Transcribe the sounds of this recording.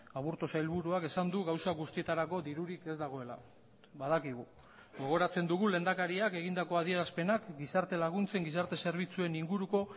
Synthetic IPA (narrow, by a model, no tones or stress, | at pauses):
aβuɾt̪osajlβuɾuake̞sand̪uɣawsaɡust̪ie̞t̪aɾako̞ðiɾuɾike̞zd̪aɣ̞o̞e̞la̰ | βaðakiɣ̞u | ɡo̞ɣ̞o̞ɾat͡se̞nd̪uɣule̞nd̪akaɾiake̞ɣind̪ako̞að̞ie̞ɾaspe̞nakɡisaɾt̪e̞laɣ̞unt͡se̞ŋɡisaɾt̪e̞se̞ɾβ̞it͡sue̞niŋɡuɾuko̞